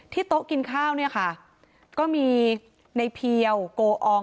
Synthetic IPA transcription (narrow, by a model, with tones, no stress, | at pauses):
t̪ʰiː˥˩t̪o˦˥ʔki˧nkʰaː˥˩wni˥˩ɐkʰa˥˩ʔ | kɔː˥˩miː˧ | na˧jpʰi˧əwkoː˧ʔɔː˧